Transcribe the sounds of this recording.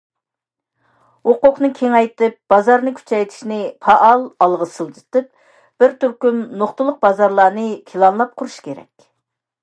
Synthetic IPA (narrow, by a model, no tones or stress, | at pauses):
woqʊqnɨkʲʰeŋɛjt̪ɨp̚b̥ɑzɑɾnɨkʲʰy̥t͡ʃʰɛjt̪ʰi̥ʃnɪpʰɑʔɑlˠɑlˠʁəsɨlˠd͡ʒʰɨ̥t̪ɨp̚ | b̥ɪɾt̪yɾkʲymnoχt̪ɨlˠʊq̚bɑzɑɾlˠɑːnɨkʲʰilˠɑnlˠɑp̚qʰʊɾuʃkʲʰeɾɛ̰kʲ